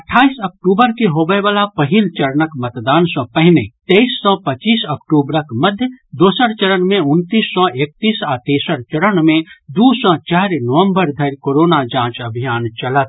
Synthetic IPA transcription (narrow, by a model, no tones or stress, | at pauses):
ɐʈʰaːisɐk̚ʈuːbəɾkeɦobəeʋaːlapəɦilt͡ʃɐɾənəkmɐt̪d̪aːnsɔ̃pɛɦnet̪eisːɔpət͡ʃiːsɐkʈuːbɾəkməd̪ʱjəd̪oːsəɾt͡ʃəɾəɳmẽʊnt̪iːsːɔʔeːk̚t̪iːsaːt̪eːsəɾt͡ʃəɾəɳmẽd̪uːsɔ̃t͡ʃaːɾnəʋə̃mbəɾd̪ʱəɾkoːɾoːnad͡ʒãːt͡ʃɐbʱijaːnt͡ʃɐlət̪